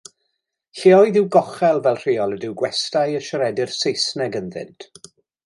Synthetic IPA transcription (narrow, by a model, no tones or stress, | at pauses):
ɬiɔɨðɪwɡɔχɛlˠvɛlˠr̥ɪːɔlˠədɪwɡwɛstajəʃəɾɛdɪrsejsnɛɡənðɪ̰ntʰ